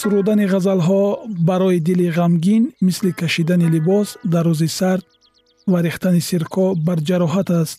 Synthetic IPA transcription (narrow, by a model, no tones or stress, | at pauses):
suɾud̪aniʁazalɦɔbaɾɔid̪iliʁamɡinmislikʰaʃid̪anilibɔsd̪arːuzisaɾd̪̚ | vaɾiχt̪anisiɾkʰɔbaɾd͡ʒaɾɔɦat̪ast̪